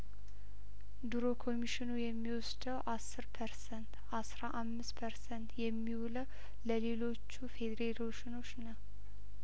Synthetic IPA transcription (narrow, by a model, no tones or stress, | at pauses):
d̪uɾo̞kʰo̞miʃɪnujɛmːiwɔsd̪əwʔasːɨɾpʰəɾsənt̪ʔasɾaʔamːɨspʰəɾsənt̪jɛmːiwuləw | ləle̞lo̞t͡ʃːufe̞d̪ɾeɾoʃɪno̞t͡ʃːnəw